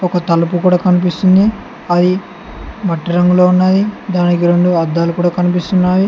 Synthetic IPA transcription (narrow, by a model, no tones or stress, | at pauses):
ɔkɐt̪ɐlup̬ukuːɽaːkɐnipist̪und̪i | ɐd̪i | mɐʈːiɾɐŋɡuloːunːaːjid̪aːnikiɾe̞ɳɖuɐd̪ːaːlukuːɽaːkɐnip̬ist̪unːaːji